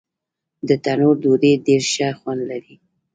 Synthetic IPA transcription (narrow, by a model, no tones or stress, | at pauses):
d̪ət̪anoɾd̪oɾeɖeɾʃaxwand̪laɾi